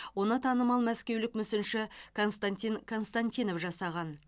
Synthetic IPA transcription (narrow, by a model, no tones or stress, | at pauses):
wo̞nət̪ʰɑnəmɑlˠmæskʲe̞wlɪkmʏsɪnʃɪkʰo̞nst̪ant̪ʲinkʰo̞nst̪anʲt̪ʲijno̞fʒɑsɑʁɑn